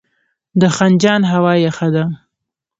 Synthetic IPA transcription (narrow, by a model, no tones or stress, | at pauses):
d̪əxand͡ʒɑnɦawɑjaxad̪a